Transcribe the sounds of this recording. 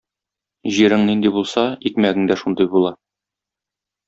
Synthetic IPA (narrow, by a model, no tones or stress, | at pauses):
ʑiɾɘŋnind̪ibulˠsɑikmæɡɘ̆ŋd̪æʃund̪ɤjbulˠɑ